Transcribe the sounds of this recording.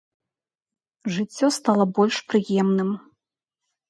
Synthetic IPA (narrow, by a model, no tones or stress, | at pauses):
ʐɨt͡sʲːɔst̪alˠɐbɔlʲʂpɾɨjɛmnɨm